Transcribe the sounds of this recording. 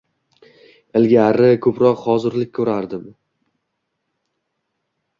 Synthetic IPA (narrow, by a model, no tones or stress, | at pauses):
ɪlɡʲaɾɪkʰɵpɾɒqhɒzɪɾlɪk̚ʲkʰɵɾaɾd̪ɪm